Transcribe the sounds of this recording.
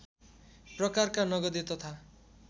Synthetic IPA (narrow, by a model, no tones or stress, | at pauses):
prʌkarkanʌɡʌd̪et̪ʌt̪ʰa